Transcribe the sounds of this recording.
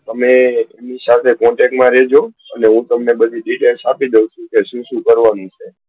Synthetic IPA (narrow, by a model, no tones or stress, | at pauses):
t̪əmeemnisat̪ʰekɔ̃ɳʈɛk̚ʈmãɾed͡ʒo | əneɦũt̪əmnebəd̪ʱiɖiʈelsapid̪ewt͡ʃʰũkeʃũʃũkəɾʋanũt͡ʃʰe